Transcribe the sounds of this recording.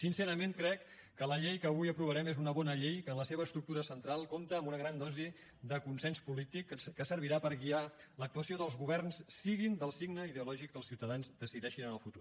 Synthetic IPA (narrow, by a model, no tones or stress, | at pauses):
sinsɛɾəmenkɾɛkː | ələʎejkəːβujəpɾuβəɾɛmezunəβɔnəʎejkənləseβ̞əːst̪ɾuk̚t̪uɾəsənt̪ɾalˠkomt̪əːmbunəɣɾand̪ɔzi | ðəkunsɛnspulit̪ikːəsəɾβ̞iɾapəɾɣialək̚t̪uəsioðəlˠzɣuβɛrnsːiɣind̪əlˠsiɡnəiðeulɔʒikːəlˠsiwt̪əðanzd̪əsiðɛʃinənəlˠfut̪ur